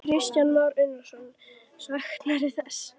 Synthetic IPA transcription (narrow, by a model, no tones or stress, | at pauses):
kʰɾɪscanːaɾʏnːasɔn | svaxt̪laɾɪθɛsː